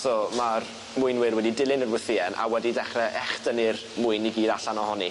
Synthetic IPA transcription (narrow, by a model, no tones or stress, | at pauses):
sɔːmar | mʊɨnwɪrwɛdidɪlˠɪnərwəθɪɛnʔa̰wɛdidɛχrɛʔɛχdənir | mʊɨniɡiːdaɬanɔhɔni